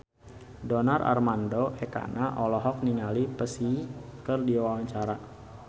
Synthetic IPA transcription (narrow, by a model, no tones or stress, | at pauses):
dɔnarʔa̰rmandoɛka̰naʔɔlɔɦɔk̚niŋalipəsikərdiwawaɲt͡ʃaɾa